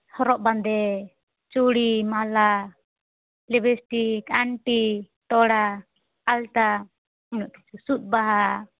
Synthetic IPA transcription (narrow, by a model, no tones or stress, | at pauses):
hɔɾɔʔband̪ɛ | t͡ʃuɽimala | lɛbɛsʈikaɳʈi | ʈ̪ɔɽaː | lt̪a | unɔʔt̪i̥t͡ʃusut̪̚ˀbaɦa